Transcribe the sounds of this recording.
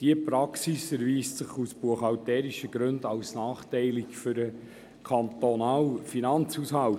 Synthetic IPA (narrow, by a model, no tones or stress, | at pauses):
d̥iəpɾɑksisɛɾviːstsɪχusb̥uəχɑltɛːɾiʃəɡ̥ɾɵndɑwsnɑːχtɛɪlɪkføɾə | kʰɑnt̪onɑːlfinɑnt͡shusɦɑl